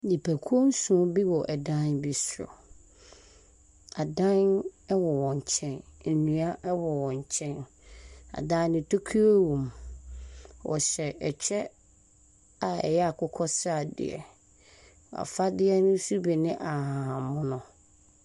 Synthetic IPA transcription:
nĩ˨pʰæ˨kʰu˦o˦n̩˦sũ˨˦bi˦wɔ˨ʔɛ˨dã˦nbi˨sɾɔ̰˨ | a˨dã˦nɛ˦wɔ˨wɔ̃˨ɲ˨t͡ɕʰɛ̃˦nn̩˨nũ˨a˦ʔɛ˦wɔ˨wɔ̃˨ɲ˨t͡ɕʰɛ̃˦n | a̰˨dã˦nɪ̃˦tʰo˦kʰi˦o˦wũ˨m | wɔ̰˨ɕɛ˨ʔɛ˨t͡ɕʰᶣɛ˦ | a˨ɛ̰˨jɛ˦a˨kʰʊ˦kʰɔ˦sa˨dɪ̰˨ɛ̰˨ | a̰˨fa˦dɪ˦ɛ˦nʊ̃˦su˦bi˨nɪ̃˦ʔa˨ɦã˨ɦã˨mʊ̃˦nʊ̃˨

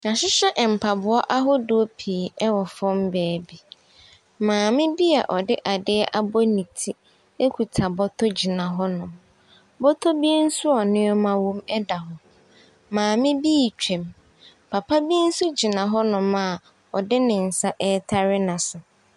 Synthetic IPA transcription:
nã˨ɕɪ˦ɕɛ˦ʔm̩˨pʰa˨bʊ˦ɔ˦ʔa˦ɦɔ˦dʊ˦pʰiː˨ɛ˦wɔ˨fɔ̃˦mbɛː˨bi˦ | mãː˨mɪ̃˦bi˦a̰˨ʔɔ˨dɪ˦ʔa˨dɪ˦ɛ˦ʔa˦bɔ˦nĩ˨tʰi˦ | e˦kʷʰu˨tʰa˨bɔ˦tʰɔ˦d͡ʑi˨nã˨ɦɔ˦nʊ̃˨m | bɔ˦tʰɔ˦bi˦n̩˦sʊ˦ɔ˨nɪ̃˦ɔ˦mã˦wõ˦mɛ˦da˨ɦɔ˨ | mãː˨mɪ̃˦biː˦˨t͡ɕᶣɛ̃˨m | pʰa˨pʰa˦bi˦n̩˦sʊ˦d͡ʑi˨nã˨ɦɔ˦nʊ̃˨ma˨ | ɔ˨dɪ˦nɪ̃˨n̩˨sa˦ʔɛ˦tʰa˦ɾɪ˦nã˨sʊ˨

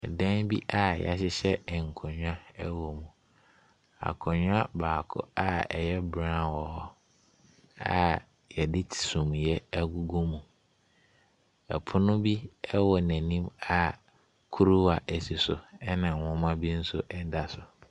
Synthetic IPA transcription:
ɛ˨dã˦nbi˦ʔa˨ja̰˨ɕ̬ɪ˦ɕɛ˦ɛ˨ŋ̩˨kʰɔ̃˨ɲᶣʊ˦ã˦ɛ˦wɔ˨mũ˨ | a̰˨kʰɔ̃˨ɲʊ˦a˦baː˨kʰʊ̰˦a˦ɛ˨jɛ˦bɾã˦wɔ˨hɔ˦ | a̰˦˨ | jɛ˨dɪ˦tʰi̥˨sũ˨mjɛ˦æ˦ɡu˦ɡu˦mũ˨ | ɛ˨pʰʊ˦nʊ̃˦bi˦ɛ˦wɔ˨næ̃˨nĩ˦ma˨ | kʰu˦ɾu˦wa˨ʔæ˨si˨sʊ̰˨ɛ˦nã˨wɔ̃˦mã˦bi˦n̩˦sʊ˦ʔɛ˦da˨sʊ˨

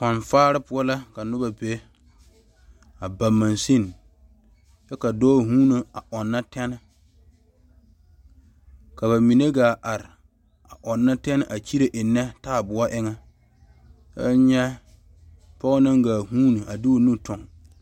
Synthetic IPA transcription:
ka˨nfaː˦ɾɪ˦pʊ˦ɔ˦la˦ka˨nʊ˦ba˨pe˦ | a˨ba˨ma˨nsi˦˨n˨ | t͡ʃɛ˦ka˨dɔː˦˨ɦuː˦no˨a˨ʔɔ˨nːa˦tɛ˦nɪ˨ | ka˨ba˨mi˨ne˦ɡaː˨ʔa˨ɾɪ˨ | a˨ʔɔ˨nːa˦tɛ˦n˦ʔa˨t͡ʃi˦ɾe˨ʔɪ˨nːɛ˦taː˦˨bʊ˨a˦ʔɪ˦ŋa˦ | ba˦ɲɛ˦ | pɔ˦ɣɔ˦na˦ŋɡaː˨huː˦nu˨a˨dɪ˦o˨nu˦tʰʊ˨ŋ

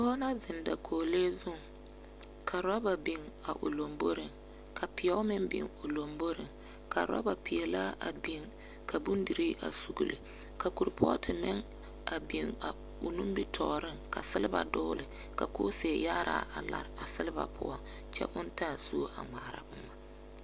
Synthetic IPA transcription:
ɔ˦na˦zɪ˨nda˨kʰoː˨le˦zʊ˦˨ŋ | kʰa˨ɾa˦ba˨bi˨ŋ | a˨ʔʊ̰˨lo˨mbo˦ɾɪ˨ŋ | kʰa˨pɪ˨jɛ˦mɪ˦mbɪ̰˨ŋo˨lo˨mbo˦ɾɪ˨ŋ | kʰa̰˨ɾa̰˦ba˨pɪ˨ɛ˨la˦a˨bi˨ŋ | kʰa˨bu˦ndi˨ɾi˦ʔa̰˨su˨ɡu˨lɨ˨ | ka˨ku˨ɾpʰɔ̰˦tʰɪ˨mɪ˦ŋ | a˨bi˨ŋa˨ | ʊ˨nu˦mbi˦tʰɔː˨ɾɪ˦ŋka̰˨sɪ˦lɪ˦ba̰˨dʊː˦lɨ˨ | ka˨ko˦seː˨ja˦ɾʔa̰˦˨ʔa˨la̰˨ɾa˨sɪ˦lɪ˦ba̰˨pʰʊ̰˦ɔ˦ŋ | t͡ʃɛ̰˦ʔʊ˦n˦ta˦˨su˦ʔa̰˨ŋa˨ɾa̰˨bʊ˦ma˨

